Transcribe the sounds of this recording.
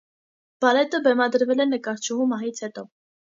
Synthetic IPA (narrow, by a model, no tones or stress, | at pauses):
b̥ɑlɛt̪əbɛmɑd̪əɾvɛlɛnəkɑɾt͡ʃʰuɦumɑɦit͡sʰhɛt̪ɔ